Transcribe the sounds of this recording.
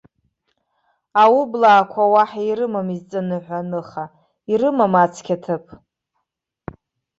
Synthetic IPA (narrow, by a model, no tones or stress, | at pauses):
awublaːkʷʰawaħaiɾɨmamizt͡sʼanɨħʷanɨχa | iɾɨmamat͡sʰkʲʰatʰɨpʼʰ